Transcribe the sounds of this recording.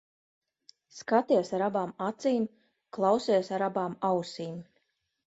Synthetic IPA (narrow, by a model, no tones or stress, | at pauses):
skat̪iɛsaɾabaːmat̪siːm | klˠawsiɛsaɾabaːmawsiːm